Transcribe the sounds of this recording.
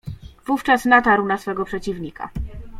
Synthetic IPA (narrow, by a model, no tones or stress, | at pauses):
v̥uft͡ʂasnat̪aɾwnasfɛɡɔpʂɛt͡ɕivɲika̰